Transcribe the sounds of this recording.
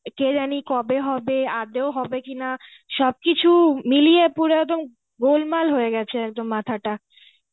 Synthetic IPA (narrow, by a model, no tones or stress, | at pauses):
ked͡ʑanikɔbeɦɔbead̪eoɦɔbekina | ʃɔb̚kit͡ɕʰumilijepuɾeɛk̚d̪om | ɡolmalɦojeɡɛt͡ɕʰeɛk̚d̪omːat̪ʰaʈa